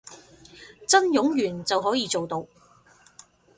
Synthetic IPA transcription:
t͡sɐ˥njʊ˨˥ŋjyː˨˩nt͡sɐ˨wɦɔː˨˥jiː˨˧t͡so˨wt̪o˧w

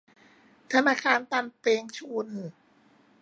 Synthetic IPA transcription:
t̪ʰa˧naː˧kʰaː˧nt̪a˧npeː˧ŋt͡ɕʰuː˧nɯː˨˩

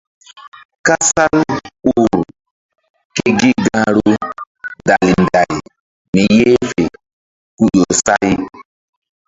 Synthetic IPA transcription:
ka˦sa˦lu˦˨ɾ | ke˦ɡi˦ɡã˦ɾu˦ | da˨li˨nda˨j | ni˨je˦fe˨ | ku˦ɗo˨sa˦j

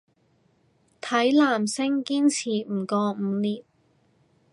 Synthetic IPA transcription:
t̪ʰɐ˨˥jlaː˨˩msɪ˥ŋkiː˥nt͡sʰiː˨˩m̩˨˩kɔː˧m̩ː˨˧liː˨t̚

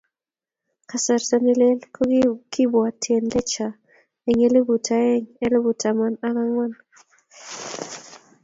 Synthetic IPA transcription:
ka˨sa˨ɾsa˦ni˦le˦lkʰɔ˦ɡiki˦bɔ˨a˨tʰe˨nlɛ˦t͡ʃa˨ | ɛ˨ŋe˦le˦bu˨tʰa˨ɛ˦ŋɛ˦le˦bu˨ta˨ma˦na˦la˦ŋwa˦n

